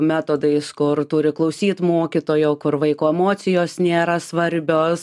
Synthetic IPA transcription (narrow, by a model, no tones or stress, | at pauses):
mʲæːt̪oːd̪ɐɪskʊrt̪uɾʲɪklˠɐʊsʲiːt̪moːkʲiːt̪oːjoːkʊɾʋɐɪkoːɛmoːt͡s̪ʲɪjoːsnʲeːɾɐsʋɐɾʲbʲoːs